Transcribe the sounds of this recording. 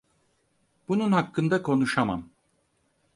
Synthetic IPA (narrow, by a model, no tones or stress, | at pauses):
b̥ununhakːɯnd̪akʰo̞nuʃama̰m